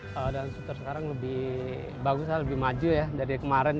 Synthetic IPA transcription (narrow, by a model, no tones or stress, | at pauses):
ədalnsut̪ərsəkaɾaŋləbɪh | baɡusaləbɪhmad͡ʒujadaɾikəmaɾɛn